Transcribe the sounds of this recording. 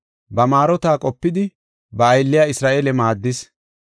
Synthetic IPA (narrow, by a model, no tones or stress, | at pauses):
bɐmaːɾɔt̪aːkʼɔpːɪd̪ɪ | bɐːjlːɪjaːɪsɾaːʔeːlɛmaːd̪ːɪs